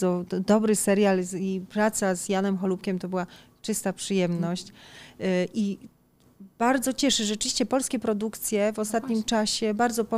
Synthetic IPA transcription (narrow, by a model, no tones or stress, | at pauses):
ɔd̪ɔbɾɘsɛɾjalipɾat̪sazjanɛmxɔlupkʲɛmt̪ɔbɘwa | t͡ʂɘst̪apʂɘjɛmnɔɕt͡ɕ | ʔi | b̥aɾd̪zɔt͡ɕɛʂɘʐɛɘvʲiɕt͡ɕɛpɔlskʲɛpɾɔd̪ukt̪sʲjɛvɔst̪at̪ɲimt͡ʂaɕɛbaɾd̪zɔpɔ